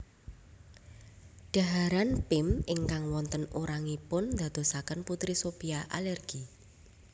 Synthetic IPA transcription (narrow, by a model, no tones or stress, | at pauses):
ɖ̥a̤ɦaɾanpɪmɪŋkaŋwɔnt̪ənuɾaŋipʊnd̪̥a̤d̪̥o̤sakənput̪ɾisopiaʔa̰lɛrɡ̥i